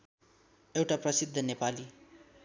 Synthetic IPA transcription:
ewʈaprʌsid̪ʱːʌnepali

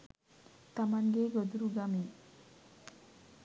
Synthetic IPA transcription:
t̪amanɡeɡəd̪uɾuɡami

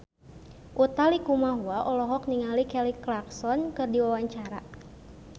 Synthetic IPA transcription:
ʔut̪alikumaɦuaʔɔlɔɦɔk̚niŋalikɛliklaksɔnkɨrdiwawaɲt͡ʃaɾa

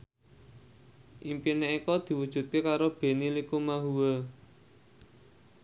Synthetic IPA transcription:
ʔimpineʔikɔd̪̥i̤wud̥ʒ̥ṳt̪̚kekaɾob̥e̤nilikumaɦuwə

